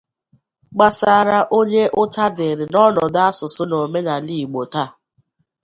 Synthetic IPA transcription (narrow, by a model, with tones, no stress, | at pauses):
ɡ͡ba˦sa˨˦˨ɾa˦ʔo˦ɲe˦ʔʊ˦ta˦dɪ˨ɾɪ˨nɔ˦nɔ˨da˦sʊ˨sʊ˦no˨me˦na˨li˨ɡ͡bo˨ta˦˨